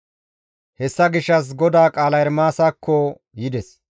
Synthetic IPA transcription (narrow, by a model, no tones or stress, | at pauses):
hɛsːɐɡɪʃːɐs̬ɡɔd̪aːkʼaːlɐjɛɾmaːsaːkːɔ | jɪd̪ɛs